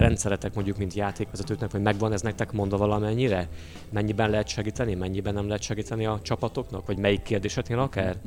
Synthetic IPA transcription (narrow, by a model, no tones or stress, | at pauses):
rɛnt̪sɛɾɛt̪ɛkmo̞ɲɟːukmint̪jaːt̪eːkʋɛzɛt̪øːknɛkʋɒɟmɛɡʋɒnɛznɛk̚t̪ɛkmo̞nd̪ɒvɒlɒmɛɲːiɾɛ | mɛɲːibɛnlɛɦɛt̪ʃɛɡiːt̪ɛnimɛɲːibɛnːɛmlɛɦɛt̪ʃɛɡiːt̪ɛniɒt͡ʃɒpɒt̪o̞knɒkʋɒɟmɛjikːeːrd̪eːʃɛt̪neːlɒkaːr